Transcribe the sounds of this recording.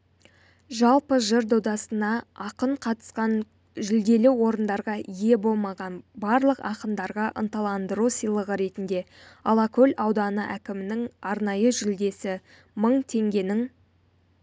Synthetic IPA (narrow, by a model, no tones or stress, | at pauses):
ʒɑlˠpəʒəɾd̪owd̪ɑsənɑɑqəɴqʰɑt̪ə̥sqɑn | ʒʏld̪e̞lɪwo̞ɾənd̪ɑɾʁɑije̞bo̞lˠmɑʁɑnbɑɾlˠəqɑ̰qənd̪ɑɾʁɑʔə̰nt̪ɑlˠɑnd̪əɾusəjlˠəʁəɾe̞t̪ɪnd̪e̞ | ɑlˠɑkɵlʲɑwd̪ɑnəʔækʲɪmɪnɪŋɑɾnɑjəʒʏld̪e̞sɪ | məɴt̪ʰe̞ŋɡʲe̞nɪŋ